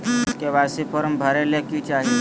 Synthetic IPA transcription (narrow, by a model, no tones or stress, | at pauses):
skeʋaːsipʰɔɾmbʱəɾelekit͡ʃaːɦie